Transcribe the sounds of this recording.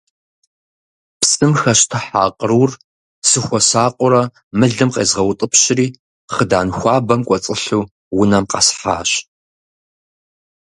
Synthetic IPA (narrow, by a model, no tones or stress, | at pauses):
psʼɨmxɐɕtʰɨħa̰ːqʼəruːr | sɨxʷɔsaːqʷʼʊɾɐ | mɨɮɨmqeːzʁɐwtʼɨpɕɪriː | χədaːnxʷɑːbɐmkʷʼɔt͡sʼɨɬuː | wʊnɐmqɑ̰sħa̰ːɕ